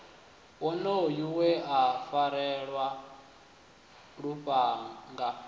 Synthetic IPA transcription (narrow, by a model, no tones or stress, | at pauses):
wɔnɔojuwɛafaɾɛɺwa | ɺuɸaŋɡa